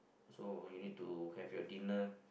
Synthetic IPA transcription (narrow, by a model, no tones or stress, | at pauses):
sojunid̚tuhɛfjɔdinə